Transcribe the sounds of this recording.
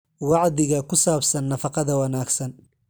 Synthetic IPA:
wɑʕðɪɣɐkʰʊsaːbsɐnːɐfɑqɑðɐwɑnaːɡsɐn

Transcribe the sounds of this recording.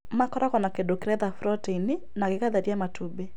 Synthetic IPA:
makɔɾakɔnakedokeɾɛðafɾɔteini | nakekaðaɾiamatʰube

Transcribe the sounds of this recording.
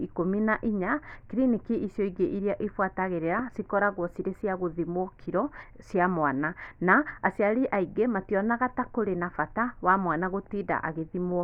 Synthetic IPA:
ikominaʔiɲakiɾinikiʔisjɔiɣeʔiɾiaʔefwataɣeɾeɾasikɔɾaɣwɔsiɾesiaɣoðimwɔkʰiɾɔsjamwananaːsiaɾiʔaiɡematiɔnaɣatakoɾenafatawamwanaɣotida̰ʔa̰ɣeðimwɔ

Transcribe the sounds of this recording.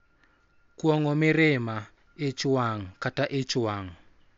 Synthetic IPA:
kwɔŋɔmɪɾɪma | ɪt͡ʃwaŋkataʔɪt͡ʃwaŋ

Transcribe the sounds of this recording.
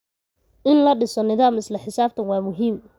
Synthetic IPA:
ʔɪnlɐɖɪsɔnɪðaːmɪslɐħɪsaːb̚t̪ʰɐnwɑːmʊɦiːm

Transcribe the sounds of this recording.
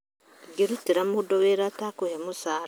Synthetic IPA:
ɡiɾutiɾamudoweɾatakojamusa

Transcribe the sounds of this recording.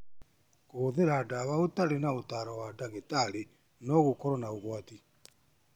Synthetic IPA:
koðeɾadaβaotaɾenaotaːɾɔwadaŋɡetaɾe | nɔɣokɔɾɔnaoɣwati

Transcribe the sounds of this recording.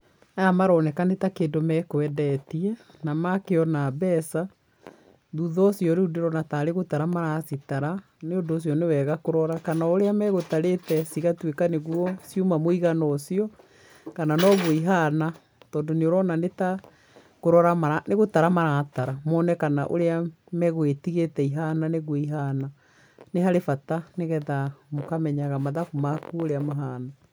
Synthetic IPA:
ajamaɾɔːnɛkanetakeːndomɛkoɛdɛtiɛ | namakeɔnabɛsa | ðuðɔsjɔɾeudeɾɔnataɾeɣotaɾamaɾasitaɾa | neondoːs̬jɔnewɛːɣakoɾɔɾakanaoɾeamɛɣotaɾetɛsiɣatwekaneɣwɔsjumamoiɣanɔsiɔ | kananɔɣoiɦana | tɔːndoneoɾɔnaneta | koɾɔɾamaɾaneɣotaɾamaɾataɾamɔːnɛkana̰ʔo̰ɾea | mɛɣoetiɣetɛiɦananeɣoiɦana | neɦaɾefataneɣɛðamokamɛɲaɣamaðakumakuoɾeamaɦaːna

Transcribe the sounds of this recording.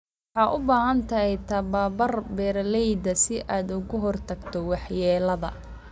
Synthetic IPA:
ħɑːʔʊbaːɦɐnt̪ʰɐɦɛjt̪ʰɐbaːbɐrbɛːrlɛjd̪ɐsɪʔaːd̪ʊɣʊɦɔrt̪ʰɐɡt̪ʰɔwɑħjɛːlɐðɐ̰

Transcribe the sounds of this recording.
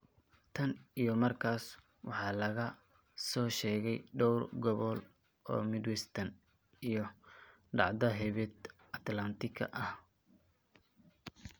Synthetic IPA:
t̪ʰɐnijɞmɐrkʰaːs | wɑ̰ħɑːlɐɣɐ | sɔːʃɛːɣɛjɖɔwrɡɔβɔl | ʔɔ̰ːmɪd̪wɛst̪ʰɐn | ijɞ | ɖɑ̰ʕd̪ɐɦɛβɛt̪ | ɐt̪lɐnt̪ʰɪkʰɐ̰ʔɐh

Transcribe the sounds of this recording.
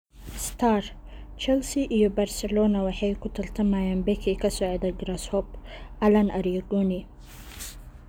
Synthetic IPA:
st̪ʰar | t͡ʃɛlsiʔijɔbɐrsɛlɔːnɐwɑħɑjkʰʊt̪ʰɐlt̪ʰɐmaːjaːnbɛkʰɛkʰɐsɔʕd̪ɐɡɾɐshɔbʔɐlɐnɐɾiɐɡɔni

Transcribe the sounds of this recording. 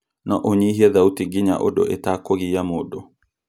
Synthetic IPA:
nɔ̰ʔɔɲiɦiaðautiɡiɲa̰ʔɔ̰ɗɔ̰ʔɛtakɔɣijamɔɗɔ

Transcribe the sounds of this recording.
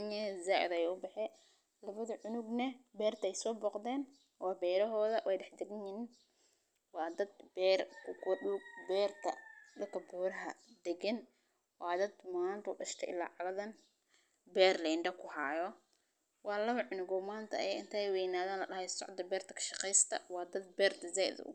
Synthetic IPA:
ɲɛzaːʕɪ̰ðɛjɛʊbɛħɛː | lɐβɐðɐʕʊnʊɡnɐbɛːrt̪ʰɐɛjsɔːbɔːqd̪ɛːn | wɑːbɛːɾɐɦɔːðɐwʔɛjɖɛħd̪ɛɡɪɲɪnin | wɑːd̪ɐd̪̚bɛːrʊkʰɗuːɡ̚bɛːrt̪ʰɐ̰d̪ɐkʰɐbuːɾɐɦɐ̰d̪ɛɡɐn | wɑːd̪ɐd̪maːnt̪ʰɐʊɖɐʃt̪ʰɛ̰ʔɪ̰la̰ːʕɑlɐðɐn | bɛːrlɛːɳɖɐkʰʊħɑːjɔ | wɑːlɐβɐʕʊnʊɡɔmaːnt̪ʰɐ̰ɛːɪnt̪ʰɛjwɛjnaːðaːnlɐɗɐhɛjsɔ̰ʕd̪ɐbɛːrt̪ʰɐ̥kʰɐ̥ʃɑ̥qɛjst̪ʰɐ̰wɑːd̪ɐd̪̚bɛːrt̪ɐzɛːj̰ðɐ̰ʔʊ̰ɡ

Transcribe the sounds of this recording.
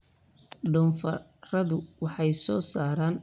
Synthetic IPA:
ɖʊːnfɐrɐðʊwɑħɑjsɔːsaːɾaːn

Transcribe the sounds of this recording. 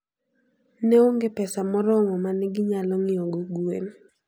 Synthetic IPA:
nɛoŋɡepɛsamɔɾɔmɔmanɪɡɪɲalɔŋɪɔɡoɡwen

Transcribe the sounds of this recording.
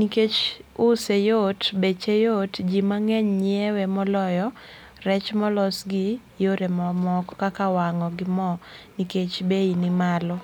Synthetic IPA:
niket͡ʃʊsejotbet͡ʃejotd͡ʒimaŋɛɲɲɪɛwemɔlɔjɔ | rɛt͡ʃmɔlɔsɡijoɾemɔmɔkɔkakawaŋɔɡɪmɔniket͡ʃbeinɪmalɔ

